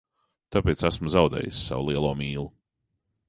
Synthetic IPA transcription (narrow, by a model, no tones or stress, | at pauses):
t̪apeːt̪sæsmuzawd̪ɛ̰ːjisːa̰wulˠiɛlˠuɔmiːlˠu